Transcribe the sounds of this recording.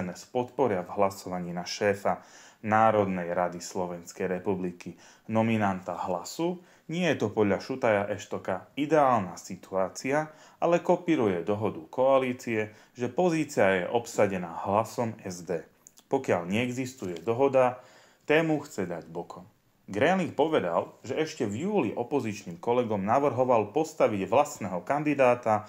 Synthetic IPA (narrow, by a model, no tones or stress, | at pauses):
nɛspɔt̪pɔɾɪavɦlasɔʋaɲiːnaʃɛːfanaːɾɔd̪nɛjɾad̪islɔʋɛnskɛjɾɛpubliki | nɔminant̪aɦlasu | ɲɪɛjɛt̪ɔpɔd̪ʎaʃut̪ajaʔɛʃt̪ɔkaid̪ɛaːlnasit̪uaːt͡sia | ʔalɛkɔpiɾujɛd̪ɔɦɔd̪ukɔaliːt͡siɛ | ʒɛpɔziːt͡siajɛ̰ʔɔpsaɟɛnaːhlasɔmɛzd̪ɛː | pɔkɪaʎɲɛːɡzist̪ujɛd̪ɔɦɔd̪a | t̪ɛːmuxt͡sɛd̪aɟbɔkʰɔm | ɡɾɛliŋk̚pɔʋɛd̪a̰lʒɛɛʃcɛvjuːliʔɔpɔzit͡ʃniːmkɔlɛɡɔmnaʋr̩ɦɔʋalpɔst̪aʋiɟʋlasnɛɦɔkand̪id̪aːt̪a